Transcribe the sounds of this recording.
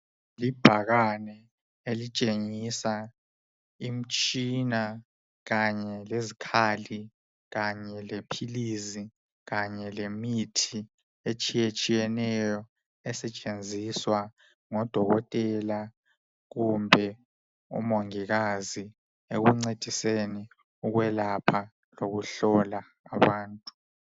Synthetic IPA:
lib̥ʱaɣanɛ | elit͡ʃʼeŋisa | im̩t͡ʃʼina | ɣaɲɛlezikʰali | ɣaɲɛlepʰilizi | ɣaɲɛlemitʰi | et͡ʃʼijet͡ʃʼijɛnɛjɔ | ɛsɛt͡ʃʼend͡zʱiswa | ŋɔd̥ʱɔɣɔtʼɛla | ɣumbʱɛ | ṵmoŋiɣazi | eɣuŋ͡ǀed̥ʱiseni | uɣwɛlapʰa | loɣuɬɔlaː | βaːntʼu̥

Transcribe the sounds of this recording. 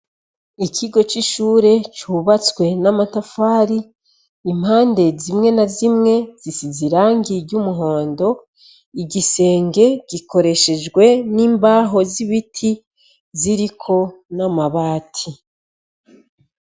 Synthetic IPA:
ikʰiɡo̞t͡ʃiʃuːɾe̞t͡ʃuβat͡swe̞namatafaːɾiː | m̥haːnde̞zimŋe̞nazimŋe̞z̥isiziɾaːŋɡiɾɟumuɦo̞ːndo̞ | iɟise̞ːŋɡe̞ɡ̥ikʰo̞ɾe̞ʃe̞d͡ʒɡwe̞niːmbaːɦo̞ziβitʰi | ziɾikʰo̞namaβaːtʰi

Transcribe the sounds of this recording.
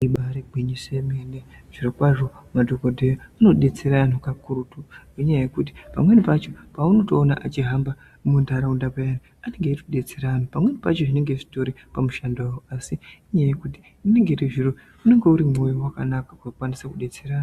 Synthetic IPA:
iɓaɾiɡʱiɲisemeneʐ̥irokwaʐo̞madʱokodʱejoano̞ɗe̞t͡seɾan̤ukakurutueɲajajekut̬i̥pa̰mwe̞nipat͡ʃo̞pauno̞to̞ːna̰ʔat͡ʃiɦamba | mundaɾaundapajani | ane̞ŋɡeirkuɗe̞t͡seɾanupamwe̞nipa̰t͡ʃo̞ʐine̞ŋɡe̞ʐito̞ɾi | pamuʃandawoasiɲajajekuti̥ | ine̞ŋɡeriʐiɾo | une̞ŋɡe̞uɾimo̞jowaka̰nakakakwanisakuɗe̞t͡seɾaːn

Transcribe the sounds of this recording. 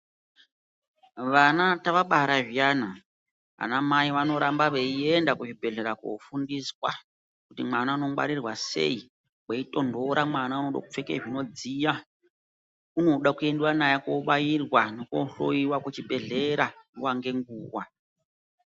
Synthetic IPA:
ʋanataʋaɓaɦɾaʐijana | ɦa̰namaiʋano̞ɾambaʋeiendakuʐibʱe̞ɮe̞ɾako̰fundiswa̰ | kutimanauno̞mwa̰ɾirwase̞̰i | weito̞ndo̞ɾamwanauno̞ɗa̰kup͡fe̞keʐino̞d͡zija | uno̞ɗakue̞nduwanajakoɓajirwanokoɬo̰iwakut͡ʃibʱe̞ɮe̞ɾaniwaŋɡe̞ŋɡuːwa̰

